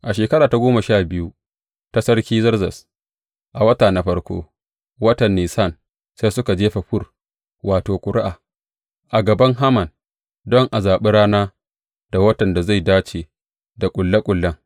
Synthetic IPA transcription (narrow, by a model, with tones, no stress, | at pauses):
ʔa˨ʃeː˨kɐ˦ɽaː˨ta˨ɡʷoː˦ma˨ʃaː˦˨bɪ˦ju˦ | ta˦sɐ˦ɽkʲiː˦zɐ˦rzɐ˨s | ʔa˨wɐ˦taː˨na˨ɸɐ˦ɽkʷo̰ː˦ | wɐ˦tɐ˨nːiː˨sa˦˨n | sa˦jsʊ˦ka˨d͡ʒeː˦ɸa˨ɸʊ˦˨r | waː˨toː˨kʷʼʊ˨ɾɪ˦ʔaː˨ | ʔa˨ɡɐ˨bɐ˦ŋɦa˦mɐ˨n | dɔ˦ŋʔa˨zaː˨ɓɪ˦ɽaː˦naː˦ | d̥a˨wɐ˦tɐ˨nda˨za˦˨jdaː˦t͡ʃeː˨ | da˨kʷʼʊ˨lːa˦kʷʼʊ˨lːɐ˦ŋ